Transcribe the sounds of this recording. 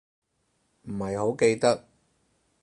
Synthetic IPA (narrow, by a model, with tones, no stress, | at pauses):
m̩˨˩hɐ˨jho˨˥wke˧jt̪ɐ˥k̚